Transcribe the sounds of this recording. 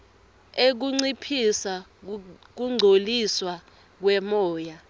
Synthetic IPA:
ek̬uŋ͡ǀipʰisa | k̬uŋ͡ǀʱoliswa | k̬wɛmɔːja

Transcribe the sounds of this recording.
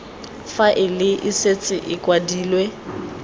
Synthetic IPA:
faʔɪlɪʔɪset͡sʼɪʔɪkʼwadiːlwe

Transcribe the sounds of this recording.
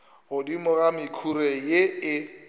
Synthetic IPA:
ɣʊdimʊɣamɪkʰurɛjeɪ

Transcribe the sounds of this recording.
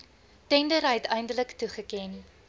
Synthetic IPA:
tɛndəɾɦɛtəjndələktuχəkɛn

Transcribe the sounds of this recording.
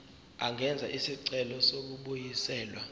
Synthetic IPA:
aŋɡʱɛnd͡zʱaʔisiǀɛlɔsok̬uɓujisɛːlwa

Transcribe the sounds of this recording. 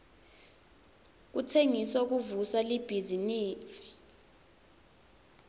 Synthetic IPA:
k̬utʰeŋiswak̬uvusalib̥ʱiziniːfi̥

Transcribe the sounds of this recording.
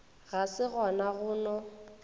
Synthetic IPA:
ɣasɪɣɔnaɣʊnɔ

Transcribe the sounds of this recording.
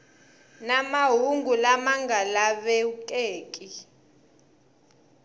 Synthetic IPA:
namaɦuŋɡʱulamaŋɡʱalaβɛukʼeːkʼi

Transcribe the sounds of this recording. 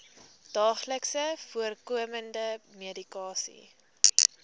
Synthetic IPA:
d̥ɑːχləksəfuərkuəməndəmiədikɑːsḭ

